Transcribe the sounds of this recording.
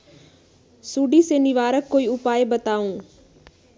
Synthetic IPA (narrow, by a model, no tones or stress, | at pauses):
suːɖiseːnɪʋaːɾəkːoːiʊpaːebət̪aːũː